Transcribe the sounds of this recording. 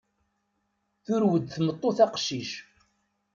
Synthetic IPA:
θʊɾwəd̪θmət̪ˤːoθɑqʃiʃ

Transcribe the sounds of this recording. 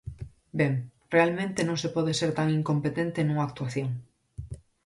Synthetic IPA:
beŋrealmẽnt̪enõŋsepɔð̞eseɾt̪aŋiŋkompet̪ẽnt̪enũŋaːk̚t̪uaθjoŋ

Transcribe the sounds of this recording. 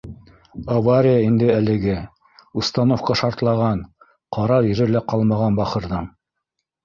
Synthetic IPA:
avaɾʲɪjaind̪ɘælɘ̆ɡɘ | ust̪ɑnofqɑʃɑɾt̪lˠɑʁɑn | qɑɾɑjɘ̆ɾɘlæqɑlˠmɑʁɑnbɑχɤ̆ɾðɤɴ

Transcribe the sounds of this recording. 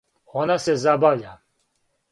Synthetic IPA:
onasɛzabavʎʲa

